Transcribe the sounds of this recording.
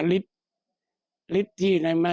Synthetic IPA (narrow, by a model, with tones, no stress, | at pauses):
li˦˥t̪̚ | li˦˥t̪̚t̪ʰːiː˧˩na˧˩ma˧